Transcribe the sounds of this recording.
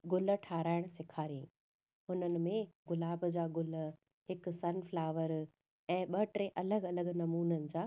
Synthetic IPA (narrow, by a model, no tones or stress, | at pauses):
ɡʊlə̆ʈʰaːɾaːɪɽ̃sɪkʰaːɾiĩ | ɦʊnənɪ̆mẽɡʊlaːbd͡ʑaːɡʊlə | ɦɪksɐnflaːʋəɾ | ɛ̃ːɓɐʈɾeʔɐləɡɐləɡnɐmuːnənɪ̆d͡ʑaː